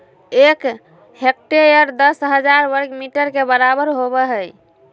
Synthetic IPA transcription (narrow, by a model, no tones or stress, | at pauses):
ek | hek̚ʈeɾijəɾd̪əsɦəd͡ʒaɾwəɾɡmiʈəɾkebəɾabəɾɦobɛɦəj